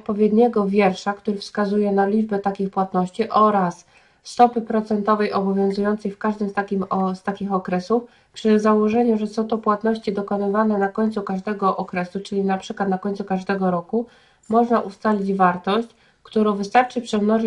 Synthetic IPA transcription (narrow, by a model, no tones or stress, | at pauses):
ɔt̪̚pɔvʲjɛd̪ɲɛɡɔvʲjɛɾʂakt̪uɾɘfskazujɛnalʲid͡ʐbɛt̪akʲixpwat̪nɔɕt͡ɕiʔɔɾasː | t̪ɔpɘpɾɔt̪sɛnt̪ɔvɛjʔɔbɔvʲjɔ̃w̃zujɔnt̪sɛjfkaʐd̪ɘmst̪akʲimst̪akʲixɔkɾɛsuf | pʂɘzawɔʐɛɲuʐɛsɔ̃w̃t̪ɔpwat̪nɔɕt͡ɕid̪ɔkɔnɘvanɛnakɔɲt̪sukaʐd̪ɛɡɔʔɔkɾɛsut͡ʂɘlʲinapʂɘkwat̪nakɔɲʲt̪sukaʐd̪ɛɡɔɾɔku | mɔʐnaʔust̪alʲid͡ʑvaɾt̪ɔɕt͡ɕ | kt̪uɾɔ̃w̃vɘst̪aɾt͡ʂɘpʂɛmnɔʐ